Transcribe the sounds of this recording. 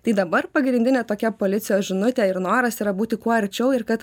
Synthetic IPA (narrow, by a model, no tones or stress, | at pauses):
t̪ɐɪd̪ɐbɐɾpɐɡɾʲɪnʲd̪ʲɪnʲeːt̪oːkʲɛpoːlʲɪt̪sʲɪjoːsʒʲɪnʊt̪ʲɛɪɾnoːɾɐsiːɾɐbuːt̪ʲɪkuɔɐɾʲt͡ʃʲɛʊɪɾkɐt̪